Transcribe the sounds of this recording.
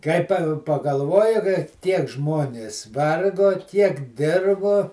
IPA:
ˈkɐɪ pɐ pɐɡɐlˠˈʋoːjɪ kɐɪ ˈtʲiɛk ˈʒmoːnʲeːs ˈʋɐrɡoː ˈtʲiɛk ˈdʲɪrboː

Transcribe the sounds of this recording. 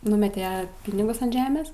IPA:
ˈnʊmʲɛtʲɛ ˈpʲɪnʲɪɡʊs ɐnt ˈʒʲæːmʲeːs

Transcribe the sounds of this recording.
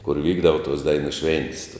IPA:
kʊr ˈʋʲiːɡdɐʋɐ toːs ˈdɐɪnʊ ˈʃʲʋʲɛnʲtʲɪs

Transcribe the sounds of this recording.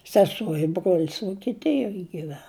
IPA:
sʲɛˈsuɔ ɪ ˈbruɔlʲɪs ʋuɔkʲɪˈtʲɪjoːj ɡʲɪˈʋʲɛn

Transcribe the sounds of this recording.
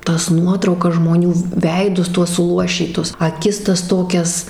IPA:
ˈtɐs ˈnuɔtrɐʊkɐs ʒmoːˈnʲuː ˈʋʲɛɪdʊs ˈtuɔs sʊˈlˠuɔʃʲiːtʊs ɐˈkʲɪs ˈtɐs ˈtoːkʲɛs

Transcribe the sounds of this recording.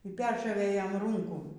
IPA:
iː ˈpʲɛrʃoːʋʲeː ˈjɛm ˈruːŋkuː

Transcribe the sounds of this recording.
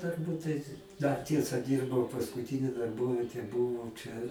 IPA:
tʊrˈbuːt tɐɪ dɐr ˈtʲiɛsɐ ˈdʲiːrbɐʊ pɐskʊˈtʲɪnʲɪ dɐrˈboːʋʲiɛtʲeː ˈbuːʋoː ˈt͡ʃʲɛ

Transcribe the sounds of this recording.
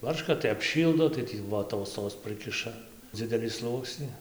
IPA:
ˈbɐrʃkɐ tɐɪ ɐpʲˈʃʲiːlˠdoː tɐɪ ˈtʲiː ʋoːˈtoːs toːs ˈprɨkʲɪʃɐ ˈd͡zʲɪdʲɛlʲiː ˈslˠuɔksʲnʲɪ

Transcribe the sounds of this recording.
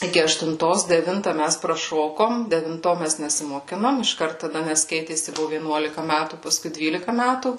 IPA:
ˈɪkʲɪ ɐʃtʊnˈtoːs dʲɛˈʋʲɪntɐ ˈmʲæs prɐˈʃoːkoːm dʲɛʋʲɪnˈtoː ˈmʲæs nʲɛsʲɪmoːˈkʲɪnoːm ɪʃˈkɐrt tɐˈdɐ ˈnʲɛs ˈkʲɛɪtʲeːsʲɪ ˈbʊʋʊ ʋʲiɛˈnuɔlʲɪkɐ ˈmʲætuː pɐˈskʊɪ ˈdʲʋʲiːlʲɪkɐ ˈmʲætuː

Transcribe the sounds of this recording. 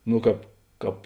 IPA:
ˈnoː ˈkɑːp ˈkɑːp

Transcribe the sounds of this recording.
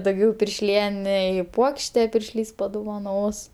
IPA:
dɐʊˈɡʲɛʊ pʲɪrʲʃʲˈlʲiɛnʲɛɪ ˈpuɔkʃʲtʲɛ pʲɪrʲʃʲˈlʲiːs pɐdʊʋɐˈnoːs

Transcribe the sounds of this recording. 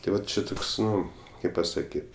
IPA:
tɐɪ ˈʋɐt t͡ʃʲɪ ˈtoːks ˈnʊ ˈkɐɪp pɐsɐˈkʲiːt

